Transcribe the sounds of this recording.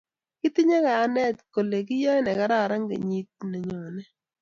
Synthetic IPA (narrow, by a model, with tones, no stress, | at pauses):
kɪ˦t̪ɪ˦ɲa˦kaː˨˦nɛ˦˨tko˨le˨kɪ˦jɔ˦nɛ˨ka˦ɾa˦˨ɾa˦ŋɡḛ˨ɲi˦t̚ne˨ɲɔ˨nɛ˦